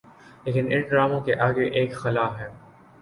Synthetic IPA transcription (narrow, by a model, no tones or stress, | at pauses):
leːkɪnɪ̃nɖɾaːmõkeʔaːɡeʔeːkxɐlaːɦɛː